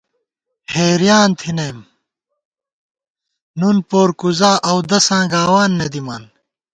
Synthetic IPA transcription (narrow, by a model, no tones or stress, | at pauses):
heːɾjaːnt̪ʰinejm | nunpoːɾkuzaːʔɐwd̪ɐsãːɡaːwaːnːɐd̪imaːn